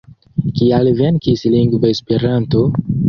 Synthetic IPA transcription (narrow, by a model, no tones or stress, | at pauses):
kialve̞nkisliŋɡvaespeɾanto